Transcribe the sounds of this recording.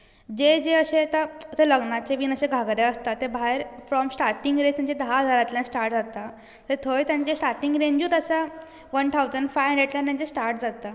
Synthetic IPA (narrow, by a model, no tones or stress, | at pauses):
d͡ʑed͡ʑeəɕet̪at̪eləɡnat͡seʋiːnəɕeɡʱaɡɾeəst̪at̪ːebʱaɦeɾfɾɔmsʈaɾʈiŋɡɾẽt̪jãɲt͡ɕed̪əɦaɦəd͡zaɾat̪lãsʈaɾʈd͡zat̪a | t̪əɾt̪ʰojt̪jãɲt͡ɕesʈaɾʈiŋɡɾeɲd͡ʑuːt̪əsa | ʋənt̪ʰawd͡zəɳɖfajɖeʈlanːãɲd͡ʑesʈaɾʈd͡zat̪a